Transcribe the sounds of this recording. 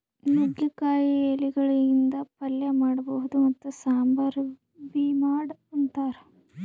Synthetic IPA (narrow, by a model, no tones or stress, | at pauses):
nuɡjɐkaːjieliɡɐɭɐind̪ɐpɐljɐmaːɽɐbɐɦud̪umɐt̪ːusaːmbɐɾ | bimaːɽɐnt̪aːɾe